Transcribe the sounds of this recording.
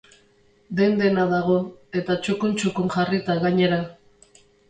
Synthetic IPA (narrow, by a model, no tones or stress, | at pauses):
d̪e̞nd̪e̞naðaɣo̞e̞t̪at͡ʃokunt͡ʃukuŋʝarit̪aɣaɲe̞ɾa